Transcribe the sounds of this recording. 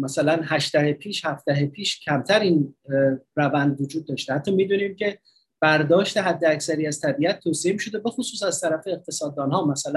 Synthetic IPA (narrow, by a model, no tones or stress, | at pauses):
mæsælænɦæʃd̪æhepʰiːʃhæft̪æɦepʰiːʃcʰæmt̪ʰæɾiːn | rævænd̪vod͡ʒuːd̪̚ːɒːʃt̪ehæt̪ʰːɒːmiːd̪uːniːmcʲʰe̞ | b̥æɾd̪ɒːʃt̪e̞ɦæd̪ːeæcsæɾiːæzt̪ʰæbiːæt̪̚ʰːoːsiemiːʃod̪e̞be̞xosuːs̬æzt̪ʰæɾæfe̞ːq̚t̪ʰe̞sɒːd̪ːɒːnɦɒːmæsælæn